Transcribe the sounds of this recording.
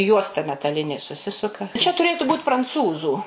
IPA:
ˈjuɔstɐ mʲɛtɐˈlʲɪnʲeː sʊˈsʲɪsʊkɐ t͡ʃʲɛ tʊˈrʲeːtʊ ˈbuːt prɐnˈt͡suːzuː

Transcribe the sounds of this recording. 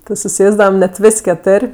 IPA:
tʲɪ sʊˈsʲeːzdɐʋɐm nʲɛt ˈʋʲɪsʲ kʲɛˈtʊrʲ

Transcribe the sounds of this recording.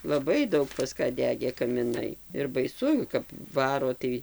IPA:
lˠɐˈbɐɪ ˈdɐʊk pɐs ˈkɑː ˈdʲæːɡʲeː kɐmʲɪˈnɐɪ ɪr bɐɪˈsʊ kɐp ˈʋɑːroː tɐɪ

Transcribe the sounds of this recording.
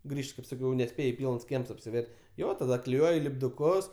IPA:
ˈɡrʲiːʃt kɐɪp sɐˈkʲɛʊ nʲɛˈsʲpʲeːj ˈpʲiːlˠns ˈkʲiɛms ɐpʲsʲɪˈʋʲɛrʲ ˈjoː tɐˈdɐ klʲɪˈjuɔj lʲɪbdʊˈkʊs

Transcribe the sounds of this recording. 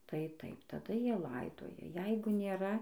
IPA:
tɐɪ ˈtɐɪp tɐˈdɐ ˈjiɛ ˈlˠɐɪdoːjɛ ˈjɛɪɡʊ nʲeːˈrɐ

